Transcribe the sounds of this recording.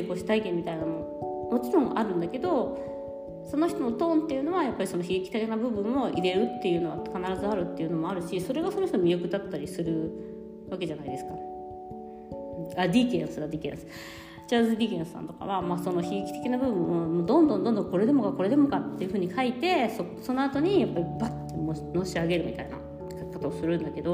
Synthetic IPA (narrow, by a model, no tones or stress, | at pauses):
ko̞ːɕi̥t̪aikẽ̞mʲːit̪ainamo̞ | mo̞t͡ɕiɾõ̞ŋ̃a̰ɾɯ̟̃nd̪ake̞d̪o̞ | so̞no̞çi̥t̪o̞mot̪õ̞ːnt̪ːe̞jɯ̟ːno̞βajapːaɾʲiso̞noçiɡikʲi̥t̪ekenabɯ̟bɯ̟̃ɰ̃ːo̞ʔiɾe̞ɾɯ̟t̪ːe̞jɯ̟ːno̞βakanaɾazɨaɾɯ̟t̪ːe̞jɯ̟no̞mo̞aɾɯ̟ɕiso̞ɾe̞ɡasonoçit̪omʲijokɯ̟d̪at̪ːaɾʲisɨɾɯ̟ | βake̞ʑanaid̪e̞sɨ̥ka | ad̪ʲikḛ̃ɰ̃sɨɡad̪ʲiːkẽ̞̰sɨ̥ | t͡ɕazɨd̪ʲikʲẽñsɨ̥sã̰nt̪o̞ka̰βamaːso̞no̞çiɡikʲi̥t̪ekʲinabɯ̟bɯ̟̃mːomod̪õ̞nd̪õ̞nd̪õ̞nd̪õ̞ŋko̞ɾe̞d̪e̞mo̞kako̞ɾe̞d̪e̞mo̞kat̪ːe̞jiɯ̟ɸɯ̟ːɲ̟ikʰait̪e̞so | so̞no̞at̪o̞ɲ̟ijapːaɾʲibat̪ːemono̞ːɕiaɡe̞ɾɯ̟mʲḭt̪aina̰ | kakːot̪oːsɨɾɯ̟̃nd̪ake̞d̪o̞